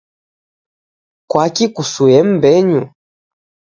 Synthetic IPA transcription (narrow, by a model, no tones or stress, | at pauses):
kwakikusuɛm̩bɛɲu